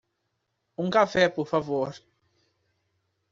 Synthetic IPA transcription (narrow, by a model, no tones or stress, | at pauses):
ũŋkafɛpɔɾfavoɾ